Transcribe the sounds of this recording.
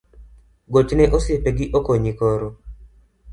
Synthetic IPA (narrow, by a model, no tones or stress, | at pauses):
ɡot͡ʃnɛʔosɪepeɡɪʔokoɲikoɾo